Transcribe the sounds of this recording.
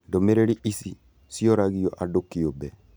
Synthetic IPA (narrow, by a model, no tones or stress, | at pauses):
ndomeɾeɾiʔisi | siɔɾaɣiɔʔadokiobɛ